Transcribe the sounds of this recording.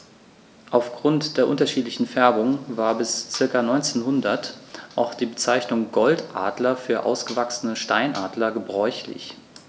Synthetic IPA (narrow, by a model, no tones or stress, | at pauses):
ʔaʊfɡ̥ʁʊntd̥eːɐʔʊntɐʃiːtlɪçn̩fɛɐbʊŋvaːɐbɪst͡sɪɐkanɔʏnt͡seːnɦʊndɐtʔaʊxd̥iːbət͡saɪçnʊŋɡɔltʔaːdlɐfyːɐʔa̰ʊsɡ̥əvaksən̩əʃtaɪnʔaːdlɐɡəbʁɔʏçlɪ̰ç